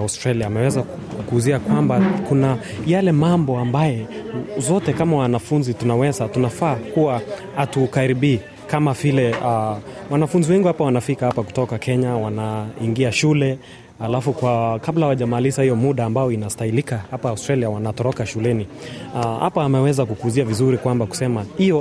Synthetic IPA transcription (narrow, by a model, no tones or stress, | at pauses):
ustɾaliaːmɛwɛza | kuːziakwambakuna | jalɛmambɔambajɛzɔtɛkamawanafunzitunawɛzatunafaːkuwa | atukaɾiɓiː | kamavilɛawanafunziwɛŋɡiuhapawanafikahapaku̥tɔkakʰɛɲawanaiŋɡiaʃulɛ | halafukwakablahawaʄamalisahijɔmuɗaːmbajɔinastailikahapaːustɾaliawanatɔɾɔkaʃulɛniha̰paːmɛwɛzakukuziavizuɾikwambaku̥sɛmahijɔ